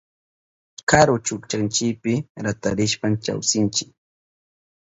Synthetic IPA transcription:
kaɾot͡ʃʊkt͡ʃant͡ʃɪkpɪɾat̪aɾɪʃpamt͡ʃa̰wsɪnt͡ʃɪk̚

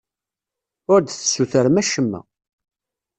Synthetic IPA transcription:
ʊɾd̪θə̥sːuθəɾmæʃəmːæ̰

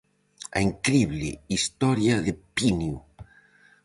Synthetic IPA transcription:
a̰iŋkɾiβlɪ̰ist̪ɔɾjaðepinju

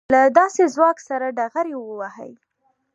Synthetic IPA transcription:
lad̪ɑsezwɑksaɾaɖaɣaɾewəwahə̰j

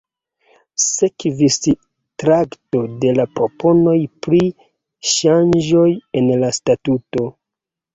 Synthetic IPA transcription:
sekvis | tɾakto̞de̞lapɾo̞po̞no̞jpɾi | ʃand͡ʒo̞jenlastatuto̞

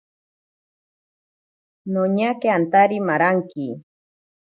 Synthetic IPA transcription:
noɲakeant̪aɾimaɾaŋki

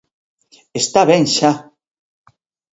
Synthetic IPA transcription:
est̪aβɛŋʃa

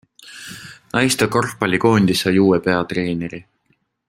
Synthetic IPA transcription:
ɑjst̪ɑko̞rpːɑlʲiko̞ːnʲd̪̥isɑjuːepe̞ɑt̪re̞ːneɾi

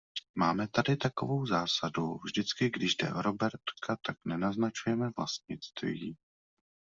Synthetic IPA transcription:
maːmɛt̪adɪt̪ako̞̰vo̞wzaːsaduvʒdɪt͡skɪɡdɪʒdɛ̰ʔoɾobɛɾt̪kʰat̪aknɛnaznat͡ʃujɛmɛvla̰st̪̚ɲɪt͡st̪vi

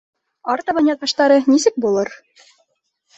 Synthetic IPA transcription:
ɑɾt̪ɑβɑnʲjɑt̪̚bɑʃt̪ɑɾɤnisɘk̚bulˠɤɾ

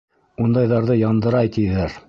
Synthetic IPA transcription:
und̪ɑjðɑɾðɤjɑnd̪ɤ̆ɾɑjt̪ijðæɾ

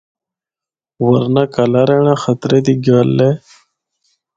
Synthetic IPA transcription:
wɐɾnakɐlaɾeɳaxɐt̪ɾed̪iɡaːlːe

